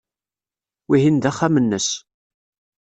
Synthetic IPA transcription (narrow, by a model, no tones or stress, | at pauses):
wiɦind̪æχːamənːəs